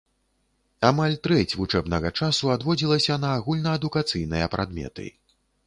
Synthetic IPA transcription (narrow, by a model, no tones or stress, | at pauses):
amalʲt̪ɾɛt͡sʲvut͡ʂɛbn̪ɐɣɐt͡ʂasuad̪vɔd͡zʲilˠɐsʲɐnɐːɣulʲnɐːd̪ukat̪sɨjnɨjɐpɾa̰d̪mʲɛ̰t̪ɨ̰